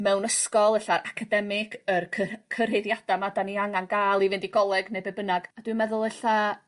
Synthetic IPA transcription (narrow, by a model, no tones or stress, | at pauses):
mɛwnəskɔlˠəɬaɾʔakʰadɛmɪɡ̥ərʰəkʰəreðjad̥amadaniaŋanɡaːlˠivɪndiɡɔlˠɛɡnejbebənaɡ̥ad̥wɨmɛðʊlˠɛɬa